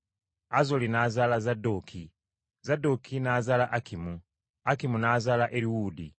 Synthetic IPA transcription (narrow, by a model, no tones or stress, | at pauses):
azolinaːzaːlazado̞ːkʰi | zado̞kʰinaːzaːlaʔakʰimu | akimunaːzaːlaʔeɾiwuːdi